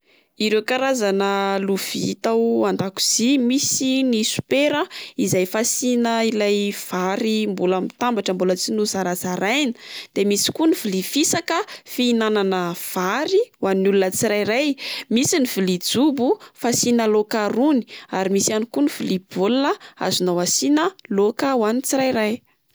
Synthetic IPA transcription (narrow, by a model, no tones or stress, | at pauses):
iɾewkaɾazanəluvit̪awand̪aku̥z̥imisinisu̥peɾəizajfasinəilajv̥aɾimbulamit̪ambaʈ͡ʂəmbulət͡sinuzaɾat͡saɾajnə̥d̪̥emisi̥kunivilifisakəfiinananəv̥aɾiwanːulunət͡siɾajɾajmisinivilid͡zubufasinəlokaɾuni̥aɾimisianikunivilib̥olnəa̰zunawasinəlokawanit͡siɾajɾaj